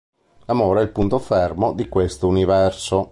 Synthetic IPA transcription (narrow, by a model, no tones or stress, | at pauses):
lamoːɾeɛilpunt̪ofermod̪ikwest̪ounivɛrso